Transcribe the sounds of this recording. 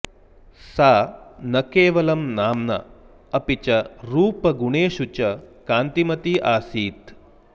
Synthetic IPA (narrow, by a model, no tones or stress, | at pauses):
saːnɐkeːʋɐlɐmnaːmnɐ̰ | ɐpit͡ʃɐɾuːpɐɡuɳeːʃut͡ʃɐkaːnt̪imɐt̪iʔaːsiːt̪